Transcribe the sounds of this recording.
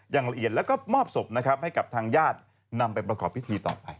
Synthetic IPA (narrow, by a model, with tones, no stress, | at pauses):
jaː˨˩ŋɾa˧ʔi˨˩ət̪̚lɛː˦˥wkɔː˥˩mɔː˥˩p̚so˨˩m̚na˦˥kʰa˦˥p̚ha˥˩jka˨˩p̚t̪ʰaː˧ŋjaː˥˩t̪̚ | na˧mpa˧jpɾa˧kʰɔː˨˩p̚ʰːi˦˥t̪ʰiː˧t̪ɔ̰ː˨˩pa˧j